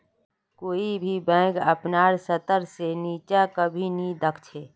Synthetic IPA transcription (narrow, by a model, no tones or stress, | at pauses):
koːibʱibɛ̃ːɡəpnaːɾsət̪əɾseniːt͡ʃakəbʱinid̪əkʰt͡ʃʰeː